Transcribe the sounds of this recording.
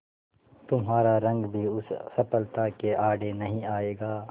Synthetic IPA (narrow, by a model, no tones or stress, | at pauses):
t̪ʊmɦaːɾaɾɐ̃ŋɡbʱiʊsːɐpəlt̪akeʔaːɖenɐɦĩaːeːɡaː